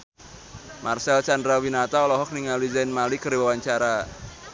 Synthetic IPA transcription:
mʔarsɛlt͡ʃandɾawinat̪aɔlɔɦɔk̚niŋalizajnmalikəriwawaɲt͡ʃaɾa

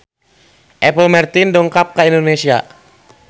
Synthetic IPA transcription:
ʔɛpəlmart̪indɔŋkap̚kaindonesia̰

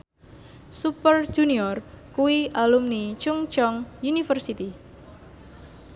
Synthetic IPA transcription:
supər̥ʒ̥uniɔr | kuwiʔalumnit͡ʃʊŋt͡ʃɔŋjunifərsit̪i

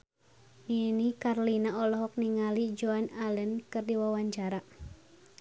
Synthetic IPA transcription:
minikarlinaɔlɔɦɔk̚niŋalid͡ʒoanalənkɨrdiwawaɲt͡ʃaɾa

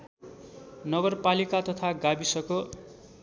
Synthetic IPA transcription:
nʌɡʌrpalikat̪ʌt̪ʰaɡabisʌko

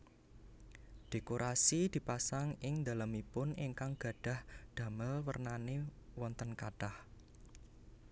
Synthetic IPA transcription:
d̪̥e̤koɾʔasid̪̥i̤pasaŋɪŋnd̪alamipʊniŋkaŋɡ̥ä̤ɖ̥a̤hd̪̥ä̤məlwə̰rnanewɔnt̪ənkaɖ̥ah

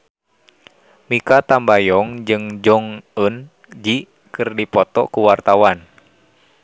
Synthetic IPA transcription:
mikat̪ambajɔŋd͡ʒɨŋd͡ʒɔŋən | d͡ʒi | kɨrdipɔt̪ɔ̰kuwart̪awan

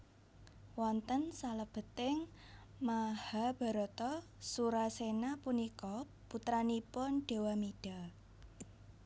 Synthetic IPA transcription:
wɔnt̪ənsaləb̥ə̤t̪ɪŋ | mahab̥a̤ɾɔt̪ɔsuɾasenapunikɔ | put̪ɾanipʊnɖ̥e̤wamiɖ̥a

